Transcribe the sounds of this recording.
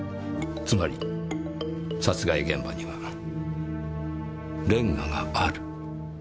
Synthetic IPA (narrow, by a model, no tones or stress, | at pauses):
t͡sɨmaɾʲi | sat͡sɨɡaiɡẽ̞mbaɲiβa | ɾẽ̞ŋːaɡaaɾɯ̟